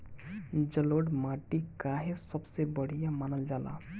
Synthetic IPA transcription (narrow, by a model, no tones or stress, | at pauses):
d͡ʒəloɽmaʈikaɦesəbsebəɽ̤ijamanəld͡ʒala̰